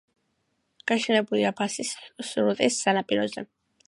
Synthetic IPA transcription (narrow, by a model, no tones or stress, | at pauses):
ɡ̥aʃɛnɛbuliapʰasissuɾut̪ʼisːanapʼiɾɔzɛ̰